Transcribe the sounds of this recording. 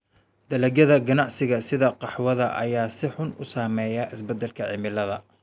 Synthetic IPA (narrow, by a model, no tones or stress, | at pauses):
d̪̥ɐlɐɡɐðɐɡɐnɑʕsɪɣɐsɪðɐqɑħwɐðɐʔɐ̰jaːsɪħʊnʊsaːmɛːjɐʔɪsbɛd̪ːɛlkʰɐʕɪmɪlɐðɐ